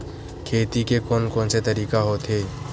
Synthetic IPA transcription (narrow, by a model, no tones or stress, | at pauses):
kʰeːt̪ikekoːnkõːnset̪əɾiːkaɦot̪ɦeː